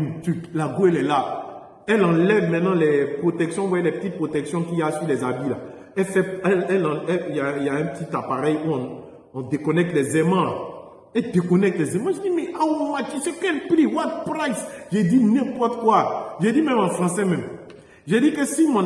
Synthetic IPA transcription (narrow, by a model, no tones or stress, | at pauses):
mt̪yklaɡoɛlɛla | ɛlɑ̃lɛvmɛ̃t̪nɑ̃lɛpχot̪ɛksjɔ̃vwajɛlɛpət̪it̪̚pχot̪ɛksjɔ̃kiasilɛzabila | ɛfɛɛlɛlɑ̃ɛjaijaɛ̃pət̪it̪apaʁɛjɔ̃ | ɔ̃d̪ekɔnɛk̚t̪lɛzɛmɑ̃ | ɛld̪ekɔnɛk̚t̪lɛzɛmɑ̃ʒed̪imɛʔawmat͡ʃisɛkɛlpliwat̪̚pʁajsʒed̪inɛ̃pɔt̪kwaʒed̪imɛ̃mɑ̃fʁɑ̃sɛmɛ̃m | ʒed̪ikəsimɔ̃